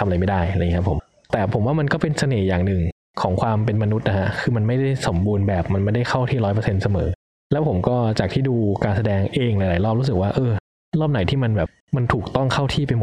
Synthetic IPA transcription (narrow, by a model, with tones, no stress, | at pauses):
t̪ʰa˧mʔjma˥˩jda˥˩ja˨˧˨i˦˥kʰa˦˥pʰːo˩˦m | t̪ɛː˨˩pʰo˨˩˦mwaː˥˩ma˧nkɔː˥˩pe˧nsa˧neː˨˩jaː˨˩ŋnɯ˨˩ŋ | kʰɔː˩˦ŋkʰwaː˧mpe˧nma˧nu˦˥t̪̚na˦kʰa˦˥kʰɯː˧ma˧nma˥˩jda˥˩jso˩˦mbuː˧nbɛː˨˩p̚ma˧nma˥˩jda˥˩jxʰa˥˩wt̪ʰiː˥˩ɾɔː˦˥jp̬ɤ˧se˧nsa˧mɤː˩˦ | lɛː˦˥wpʰo˩˦mkɔː˥˩t͡ɕaː˨˩kt̪ʰiː˥˩duː˧kaː˧nsa˧dɛː˧ŋʔeː˧ŋla˧˦jlaː˨˩˦jlɔː˥˩p̚ɾu˦˥s̬ɯ˨˩k̚waː˥˩ʔɤː˧ | lɔː˥˩p̚na˩˦jt̪ʰiː˥˩ma˧nbɛː˨˩p̚ | ma˧nt̪ʰuː˨˩k̚t̪ɔ˥˩ŋkʰa˥˩wt̪ʰiː˥˩pa˧jmo˨˩